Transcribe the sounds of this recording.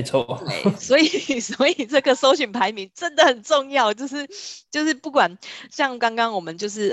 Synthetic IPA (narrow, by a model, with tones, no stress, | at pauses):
t͡sʰwɔ˥t̪we˥˩ɪswɔ˧˥i˨˩swɔ˧˦i˨˩ʈ͡ʂɤ˥˩ɡə˨so˥ʊɕy˨˩npʰa˧˥ɪmi˧˦nʈ͡ʂə˦nd̪ə˨hə˨˩nʈ͡ʂo˥˧ŋjɑ˥˩ʊt͡ɕjo˥˧ʊʂɻ̩˥˧t͡ɕjo˥˧ʊʂɻ̩˥˧pu˥˩kwa˨˩nɕjɑ˥˩ŋkɑ˥ŋkɑ˥ŋwɔ˨˩mə˨˦nt͡ɕjo˥˧ʊʂ̬ɻ̩˥˩